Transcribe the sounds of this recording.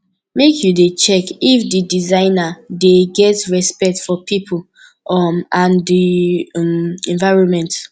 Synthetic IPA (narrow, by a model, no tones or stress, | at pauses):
mekʰjudet͡ʃɛkifdidizãɪnadeɡɛtɹɛspɛk̚tfɔpipʰol | ɔmãndimɛ̃nvaɪɹɔ̃nmɛ̃nt